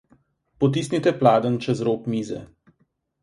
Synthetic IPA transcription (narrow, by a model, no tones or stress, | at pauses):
pɔt̪isnit̪ɛplaːd̪ənt͡ʃɛzɾoːpmiːzɛ̰